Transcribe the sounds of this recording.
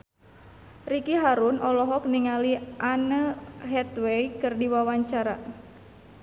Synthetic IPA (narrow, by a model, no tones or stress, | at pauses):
rikiɦaɾunʔɔlɔɦɔk̚niŋaliʔanəɦɛt̪wejkɨrdiwawaɲt͡ʃaɾa